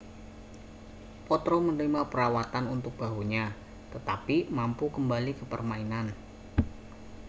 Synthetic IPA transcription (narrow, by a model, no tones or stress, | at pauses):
pɔt̪ɾomənɾimapəɾawat̪anunt̪ʊk̚b̥a̤ɦoɲa | t̪ət̪apimampukəmbalikəpə̰rmainan